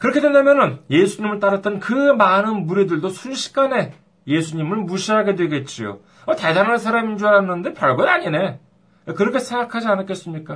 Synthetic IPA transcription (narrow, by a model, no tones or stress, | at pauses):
kɯɾʌkʰedwendamjʌnɯnje̞sʰuɲimɯɭt͈aɾat͈ʌnkɯmanɯnmuɾidɯɭdosʰuɭɕʰi̥k̚k͈ane̞ | je̞sʰuɲimɯnmuɕʰiɦaɡe̞dwe̞ɡe̞t̚t͡ɕ͈io̰ | ʌte̞daŋɦansʰaɾamind͡ʑuaɾanːɯnde̞pjʌɭɡʌdaɲine̞ | kɯɾʌkʰe̞sʰe̞ŋɡakʰad͡ʑianɯk͈es͈ɯmɲik͈a